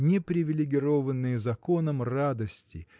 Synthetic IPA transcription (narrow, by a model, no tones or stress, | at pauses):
nʲɪpɾʲɪvʲɪlʲɪɡʲɪɾo̞vənːɨjəzɐko̞nəmrad̪əsʲtʲɪ̰